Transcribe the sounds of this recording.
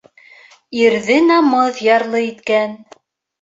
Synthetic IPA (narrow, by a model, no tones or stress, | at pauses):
iɾðɘnɑmɤðjɑɾlˠɤit̪kæn